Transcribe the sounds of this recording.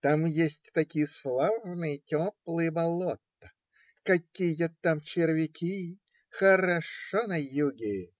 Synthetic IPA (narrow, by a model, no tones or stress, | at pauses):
t̪amjesʲtʲt̪ɐkʲijəslˠavnɨjətʲoplˠɨjəbɐlˠot̪ːə | kɐkʲijjot̪ːamt͡ɕɪɾvʲɪkʲʰi | xəɾɐʂonɐjuɡʲɪ